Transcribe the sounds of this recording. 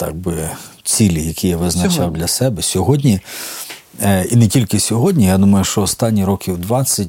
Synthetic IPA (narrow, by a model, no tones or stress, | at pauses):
t̪ɑ̰ɡ̚bɪt͡sʲilʲijɐkʰʲijaʋɪznɐt͡ʃɑwd̪lʲɐsɛbɛsʲɔɦɔdʲnʲi | inɛtʲilʲkɪsʲɔɦɔdʲnʲijad̪umɐjʊʃt͡ʃɔːst̪ɑnʲːiɾɔkʲiwd̪ʋɑt͡sʲːɐt̚ʲ